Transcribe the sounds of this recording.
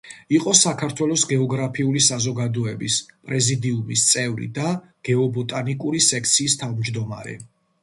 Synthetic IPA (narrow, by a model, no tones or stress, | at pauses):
iqʼɔsakʰaɾt̪ʰwɛlˠɔsɡɛɔɡɾapʰiulisazɔɡad̪ɔɛbispʼɾɛzid̪iumist̪sʼɛvɾḭd̪a | ɡ̥ɛɔbɔt̪ʼanikʼuɾisɛk̚ʰt̪sʰiːst̪ʰavmd͡ʒd̪ɔma̰ɾɛ̰